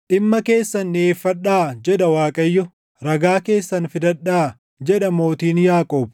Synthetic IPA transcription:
ʔɪmːɐke̞ːsːɐnːɪeːfːɐᶑaːd͡ʒɛᶑɐwaːkʼɐjːɔ | ɾɐɡaːke̞ːsːɐnfɪd̪ɐᶑːaː | d͡ʒɛᶑɐmo̞ːt̪iːnjaːkʼo̞ːb̚

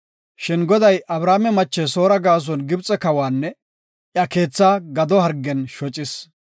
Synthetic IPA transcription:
ʃɪnɡɔd̪ɐjʔɐbɾaːmɛmɐt͡ʃːɛso̞ːɾɐɡaːs̬ɔnɡɪbt͡sʼɛkɐwaːnːɛ | ʔjɐke̞ːt͡sːaːɡɐd̪ɔhɐɾɡːɛnʃɔt͡ʃʼɪs

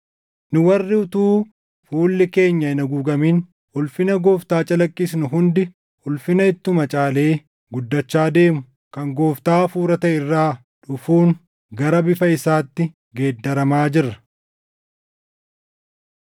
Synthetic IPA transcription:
nʊwɐrːɪʊt̪uː | fuːlːɪke̞ːɲːɐɪnɐɡuːɡɐmiːn | ʊlfɪnɐɡo̞ːft̪aːt͡ʃʼɐlɐkʼːɪsnʊɦʊnd̪ɪ | ʊlfɪnɐɪt̪ːʊmɐt͡ʃʼaːleː | ɡʊd̪ːɐt͡ʃːaːd̪e̞ːmʊ | kɐŋɡo̞ːft̪aːfuːɾɐt̪ɐɪrːaː | ᶑʊfuːŋ | ɡɐɾɐbɪfɐɪsaːt̪ːɪ | ɡe̞ːd̪ːɐɾɐmaːd͡ʒɪrːɐ̥

